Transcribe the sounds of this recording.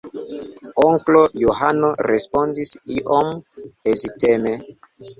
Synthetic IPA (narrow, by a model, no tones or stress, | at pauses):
oŋklojoɦanoɾespondisiʔomeziteme